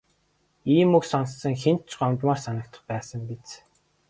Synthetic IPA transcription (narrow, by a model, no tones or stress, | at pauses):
iːmɵksɔnsːə̆ŋxen̥t͡ɕɢɔmt̪maːrsanə̆kt̪ə̥̆χpæːsə̆mpet͡s